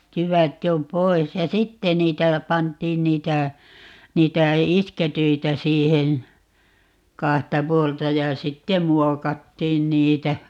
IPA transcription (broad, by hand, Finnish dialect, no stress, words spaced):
jyʋæt jo poi̯s jɑ sitːe niːtæ pɑntˑiːn niːtæ niːtæ isketyitæ siːhen̞ kɑhtɑ puoltɑ jɑ sitːem muokɑtːiːn niːtæ